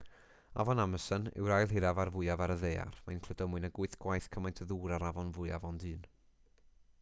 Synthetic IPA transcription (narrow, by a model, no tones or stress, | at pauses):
a̰vɔnaməsənɪ̰wɾajlˠɦɪɾavarvʊɨjavaɾəðeja̰rmajnkʰl̥ədɔmʊɨnaɡʊɨθɡ̥wajθkʰəmajntʰəðuːɾaɾavɔnvʊɨa̰vɔndɨːn